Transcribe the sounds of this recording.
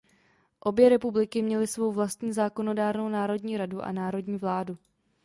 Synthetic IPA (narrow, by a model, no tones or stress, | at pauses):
ʔo̞bjɛɾɛpublɪkɪmɲɛlɪsvo̞wvlast̪ɲiːzaːko̞no̞daːɾno̞wnaːɾo̞dɲiːɾaduʔa̰naːɾo̞dɲiːvlaːdu